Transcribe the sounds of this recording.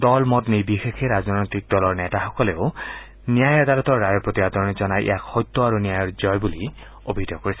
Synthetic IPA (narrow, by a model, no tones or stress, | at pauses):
dɔlmɔtnibixexʰeɹaznɔjt̪ik̚dɔlɔɹnɛtaxɔkɔleʊ | nijajad̪alɔt̪ɔɹːajɔpɹot̪ibad̪ɔɹnizɔnajʔḛjakxɔjt̪ːɔaɹunijajɔɹzɔjbuli | obʱidɔkːoɹisɛ